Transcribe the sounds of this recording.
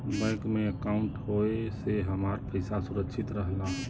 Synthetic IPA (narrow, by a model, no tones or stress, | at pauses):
bəɪkmẽəkaʊ̃ɳʈɦoeseɦəmaːɾpəɪsasʊɾəkʃʰɪt̪ɾəɦlaɦ